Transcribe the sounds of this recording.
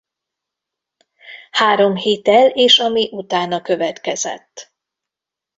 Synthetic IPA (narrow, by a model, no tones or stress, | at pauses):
haːɾo̞mhit̪ɛleːʃɒmiʔut̪aːnɒkø̞vɛt̪kɛzɛ̰t̪ː